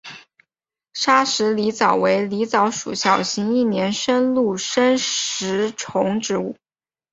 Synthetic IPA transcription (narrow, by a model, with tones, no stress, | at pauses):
ʂa˥ʂɻ̩˧˥li˧˥t͡sɑ˨˩ʊwe˧˥ɪli˧˥t͡sɑ˧˥ʊʂṵ˨˩ɕjɑ˨˩ʊɕi˧˥ŋi˥˩njɛ˧˥nʂə˥nlu˥˩ʂə˥nɻ̩˧˥ʈ͡ʂʰʊ˧˥ŋʈ͡ʂɻ̩˧˥u˥˩